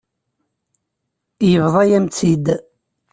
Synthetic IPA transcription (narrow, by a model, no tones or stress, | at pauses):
jəvðˤɑjæmt͡sːid̪